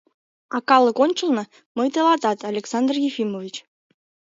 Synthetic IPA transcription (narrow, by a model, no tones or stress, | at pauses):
ɑkɑlˠə̆konʲt͡ɕə̆lˠnɤ̆ | məjt̪elˠɑt̪ɑt̪ɑlʲeksɑnd̪rjefʲimovʲit͡ɕ